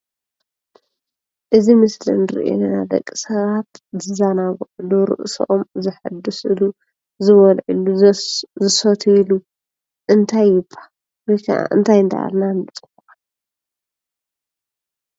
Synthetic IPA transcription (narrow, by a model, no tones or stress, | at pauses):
ʔɨzimɨslɨ̰nɨɾḭʔo̰nnad̪ɐ̰kʼːi̥sɐβat̪zɨzanaɡʕuluɾɨ̰ʔsʔomzɨħɨd̪ːusɨlu | zɨβɐlʕɨ̰luzɨsot̪ʰilu | ʔɨnt̪ʰajːɪbʰʼḁ | wɔjkʰa̰ʔa̰ʔɨ̰nt̪ʰajɨnt̪ʰa̰a̰lnant̪ʼban